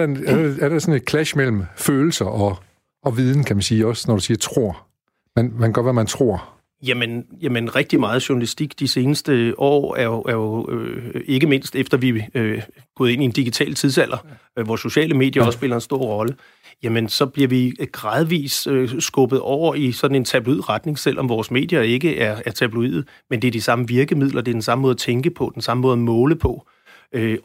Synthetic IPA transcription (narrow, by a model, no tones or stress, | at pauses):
æɐd̥eæɐɾ̥esɔ̽ne̝d̥̚kʰlæʃmel̰m̩føːl̩sɐʔɒ | ɒʋið̞ˠn̩kʰæmænsiːɒ̽snɒd̥usiːɐt͡sʰʁo̝ɐ̰ | menmænɡ̥ɶɐʋæmænt͡sʰʁo̝̰ɐ̰ | jæmənjæmənʁɛɡ̥̚d̥imɑ̈ːð̞̩ˠɕuɐnælisd̥iɡ̥d̥ise̝ːnəsd̥əʔɒ̰ːæɐjoʔæɐjo̝ | e̝ɡ̥əme̝n̰sd̥efd̥ɐʋi | ɡ̥ɔ̽ːðˠe̝niend̥iɡ̥it͡sʰɛ̰ːlt͡sʰiðˠs̬æl̰ʔɐ | ʋɒso̝ɕɛ̰ːləme̝̰ːd̥jɐɒ̽sːb̥e̝lɐe̝nsd̥o̝ɐ̰ʁɒ̽lə | jæmənsɒ̽b̥liɐʋiɡ̥ʁɑ̈ːð̞ˠʋḭːssɡ̥ɔ̽b̥ð̞̩ˠɒʊ̰ɐisɒ̽d̥n̩e̝nt͡sʰæb̥luið̰ˠʁɑ̈d̥ne̝ŋselʔɒ̽mʋɒːsme̝̰ːd̥jɐe̝ɡ̥əʔæɐæɐt͡sʰæb̥luḭð̩ˠ | mend̥e̝æɐd̥isɑ̈məʋiɐɡ̥əmið̰ˠlʔɐd̥e̝æɐd̥ensɑ̈məmɔ̽ːðˠɐt͡sʰeŋɡ̥əpʰɒ̽d̥ensɑ̈məmɔ̽ːð̩ˠmɔ̽ːləpʰɒ̽ | ø